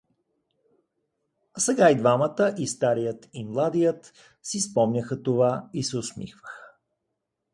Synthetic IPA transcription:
ɐsɛɡaid̪vamət̪əʔist̪aɾijət̪imlˠad̪ijət̪ | sispɔmnʲəxət̪ovaisɛʊsmḭxvəxə̥

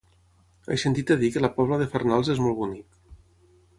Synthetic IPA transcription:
a̰jsent̪it̪aðikəlapɔβləðefernalˠzezmɔlˠβunik

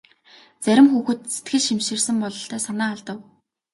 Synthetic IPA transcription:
t͡sæɾʲɪ̆mxuːxɘ̆t̪se̥t̪ɡɘ̆ɮʃimʃĭrsɘ̆mpɔɮɞ̆ɬt̪æːsanaːaɮt̪ə̆w

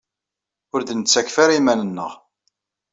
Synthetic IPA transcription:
ʊɾðənət͡sːækfaɾimænənːə̰ʁ

